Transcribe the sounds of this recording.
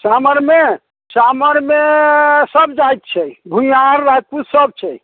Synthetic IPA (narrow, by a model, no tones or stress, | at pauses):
saməɾme | saməɾmesəbd͡ʒajt̪̚t͡ʃʰɛbʱujaɾːad̪̚pusəb̚t͡ʃʰɛ